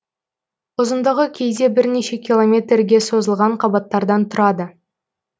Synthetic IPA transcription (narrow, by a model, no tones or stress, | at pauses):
ʊzənd̪əʁəkʲʰe̞jd̪e̞bɪɾneʃe̞kʲilˠo̞mʲe̞t̪rɡʲe̞so̞zəlˠʁɑɴqʰɑbɑt̪ːɑɾd̪ɑnt̪ʰʊɾɑd̪ə